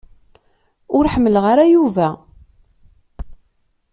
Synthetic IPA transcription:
ʊɾħəmːəlʁaɾajuvæ

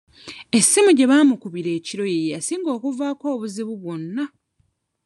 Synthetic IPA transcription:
e̞sːimuɟe̞βaːmukuβiɾe̞ːciɾo̞jejasiːŋɡo̞ːkuvaːko̞ːβuziβuβwonːa

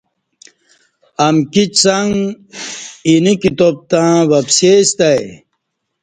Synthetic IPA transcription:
ɐmkit͡ɕsɐŋ | inikit̪op̚t̪ãːwɐpseːst̪ɐj

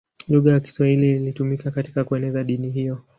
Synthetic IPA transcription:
luɣajaki̥swahililitumikakati̥kakuɛnɛzaɗiniɦijɔ

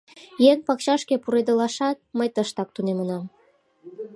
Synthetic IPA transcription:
jeŋpɑkɕɑʃkepuɾed̪ə̆lɑʃɑt̪̚məjt̪əʃt̪ɑk̚t̪unemənɑm

